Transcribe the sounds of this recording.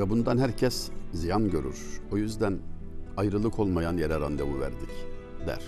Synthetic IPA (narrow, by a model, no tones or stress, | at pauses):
vɛbund̪anɦæɾcʰɛszijanɟø̞ɾy̰ɾ̥o̞jyzd̪æn | ajɾɯlˠɯkʰo̞lˠmajanjeɾæɾand̪evuvæ̰ɾd̪ic | d̪æ̰ɾ̥